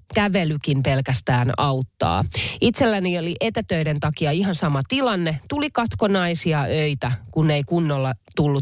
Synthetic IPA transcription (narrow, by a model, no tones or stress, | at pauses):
kæʋelykimpe̞lkæst̪æːnɑut̪ːɑ̰ːit̪se̞lːænioliʔe̞t̪æt̪øide̞nt̪ɑkiɑiɦɑnsɑmɑt̪ilɑnːet̪ulikɑt̪ko̞nɑisiɑøit̪ækunːe̞ikunːolːɑt̪ulːu